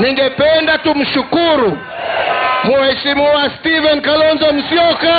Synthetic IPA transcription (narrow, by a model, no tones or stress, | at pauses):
niŋɡɛpɛndatum̩ʃukuɾu | muhɛʃimiwastivɛnkalɔnzɔm̩siɔka